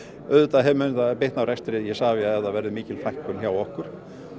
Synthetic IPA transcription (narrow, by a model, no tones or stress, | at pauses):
œðʏt̪aðɦɛvmʏːnɪt̪apɪht̪nawɾɛst̪ɾɪðjɛsaːvɪaðɛðavɛɾðɪmiːcɪlfajhkʏnçaːwɔhkʏɾ̥